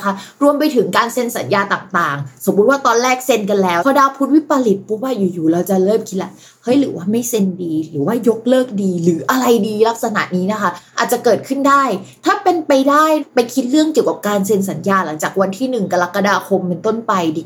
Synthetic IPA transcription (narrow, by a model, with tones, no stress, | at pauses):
kʰa˦˥ɾu˧əmpa˧jt̪ʰɯ˩˦ŋkaː˧nse˧nsa˩˦njaː˧t̪aː˨˩ŋt̪aː˨˩ŋso˨˩˦mbu˦˥t̪̚waː˥˩t̪ɔː˧nɾɛː˥˩k̚se˧nk̬a˧nlɛː˦˥wʰɔː˧daː˧wpʰu˦˥t̪̚wi˦˥pa˧li˨˩t̪̚pʰɔ˦˥waː˥˩juː˨˩juː˨˩ɾa˧wt͡ɕa˨˩ɾɤː˥˩mkʰi˦˥la˧˨˩ | hɤ˦˥jlɯː˩˦waː˥˩ma˥˩jse˧ndiː˧ɾɯː˩˦waː˥˩jo˦˥k̚lɤː˥˩k̚diː˧lɯː˩˦ʔa˧ɾa˧jdiː˧la˦˥k̚sa˧na̰˨˩ʔniː˦˥na˦˥kʰa˦˥ʔaː˨˩t̪̚t͡ɕa˨˩kɤː˨˩t̪̚kʰɯ˥˩ndaː˥˩jt̪ʰaː˥˩pe˧npa˧jdaː˥˩jpa˧jkʰi˦˥t̪̚ɾɯ˥˩əŋki˨˩əwka˨˩p̚kaː˧ns̬e˧ns̬a˩˦njaː˧la˩˦ŋt͡ɕaː˨˩k̚wa˧nt̪ʰiː˥˩nɯ˨˩ŋka˧la˦˥kːa˧daː˧kʰo˧mpe˧nt̪o˥˩npa˧jdi˨˩